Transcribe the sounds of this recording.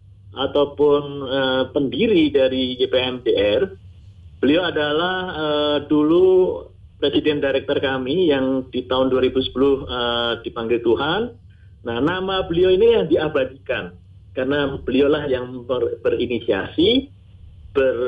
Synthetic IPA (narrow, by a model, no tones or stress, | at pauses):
ʔat̪awpʊnəpəndiɾidaɾid͡ʒepeɛmdeʔɛr | b̥əlioadalahədulu | pɾesidɛndaɾɛk̚t̪ɔrkamijaŋdit̪aʊnduaɾibusə̥pulʊhəd̥ipaŋɡɪlt̪uɦanː | ahnamabəlioinijaŋdiabadikan | karənab̥əliolahjaŋərb̥ərinisia̰si | b̥ər